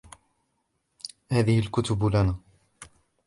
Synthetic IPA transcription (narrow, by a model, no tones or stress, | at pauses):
haːðɪhɪlkʊt̪ʊblanaː